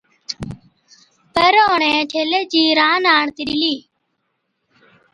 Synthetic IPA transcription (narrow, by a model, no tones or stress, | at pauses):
pəɾoːɳẽːʈʰeːleːd͡ʒiːɾaːnaːɳt̪iɗiliː